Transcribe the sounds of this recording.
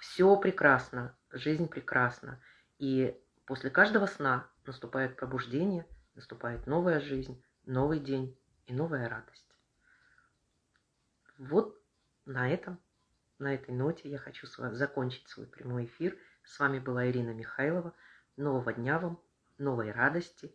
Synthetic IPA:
fsʲopɾʲɪkɾasnə | ʐɨzʲnʲpɾʲɪkɾʔasnə̰ | i | po̞sʲlʲɪkaʐd̪əvəsnanəst̪ʊpajɪt̪̚pɾəbʊʐdʲenʲɪjənəst̪ʊpajɪt̪no̞vəjəʐɨzʲnʲ | no̞vɨjdʲenʲ | inovəjəɾad̪əsʲtʲ | vo̞t̪̚ | nɐɛt̪əm | nɐɛt̪əjno̞tʲɪjaxɐt͡ɕuszɐkonʲt͡ɕɪ̥tʲsvo̰jpɾʲɪmo̞jɪfʲir | svamʲɪbɨlˠaɪɾʲinəmʲɪxailˠəvə | no̞vəvədʲnʲavam | no̞vəjrad̪əsʲtʲɪ

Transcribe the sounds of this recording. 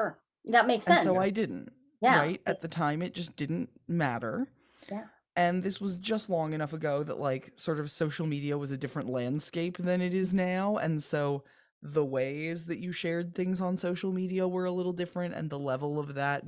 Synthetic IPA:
ə˞ | ðət̚meɪksɛ̃nsoʊaɪdɪdⁿn̩t̚ | jæɹaɪt̚ʔɨt̪̚ðɨtʰãɪ̃mɨt̚d̥ʒ̥ʌsd̥ɪdⁿn̩tmæɾə̰˞ | ɨ̃nðɪswʌzd͡ʒʌstˡlɔ̃ŋɨñʌfɨɡoʊðə̰ʔlʔaɪksɔɹɾʌv̥soʊʃl̩ˠmiɾiɨwʌzɨdɪfɹɨ̃nʔlæ̃nd̥skeɪp̚ðɨ̃nɨɾɪznaʊɨ̰̃nsoʊ | ðəweɪzðɨt͡ʃɨʃɛɹd̪̚θɪ̃ŋzn̩soʊʃl̩ˠmiɾiəwə˞əlɪɾl̩ˠdɪfɹɨ̃ntɨ̰̃nðəlɛvl̩ˠʌvðɨt̚

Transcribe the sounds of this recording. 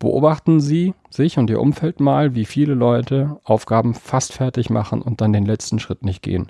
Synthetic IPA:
b̥ə̰ʔo̰ːbaχtn̩ziːz̥ɪçʊntʔiːɐʔʊ̰mfɛltmaːlviːfiːləlɔʏtʰəʔaʊfɡ̥aːbm̩fastfɛɐtɪçma̰χn̩ʔʊnt̚d̥andeːnlɛt͡stn̩ʃʁ̥ɪtnɪçt̚ɡ̥ḛːən

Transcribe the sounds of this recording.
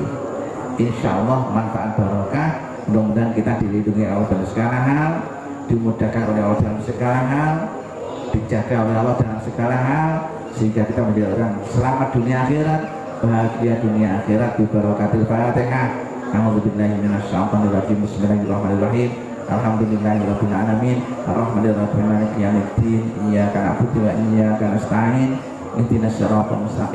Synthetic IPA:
ʔɪnʃa̰ʔɔlːɑhmanfaʔat̪̚b̥aɾɔkah | ndɔmud̪ankit̪ad̪ilinduŋiʔawd̥̪amsə̥kaɾaɦal | d̥imud̥ahkanʔolɛɦod̪̥almsəkalaɦal | d̥id͡ʒaɡaawealːɔd̥alamsəkalaɦal | səɦiŋɡakit̪amədiaoɾaŋsəlamat̪̚d̪̥unijaːxeɾat̪̚ | b̥aɦakiad̪uniaaxeɾat̪̚d̥ibalwakat̪ɪlpalaat̪ɛŋah | ʔauðubilːahiminasa̰mkanirːad͡ʒimɪsmilaɦrɑhmanarɑɦim | ʔa̰lɦamd̪ulilːaɦiɾɔbilaanaminʔa̰rːɑhmaniramimanikijamit̪inijakana̰ʔput̪iwaʔijakanaʔsə̥t̪aɪn | ʔɪ̰nt̪inasaɾapɔ̰nməst̪a

